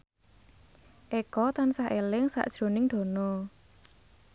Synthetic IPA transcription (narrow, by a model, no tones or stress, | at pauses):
ʔekɔt̪ansahʔelɪŋsa̰ʔd̥ʒ̥ɾo̤nɪŋɖ̪̥o̤nɔ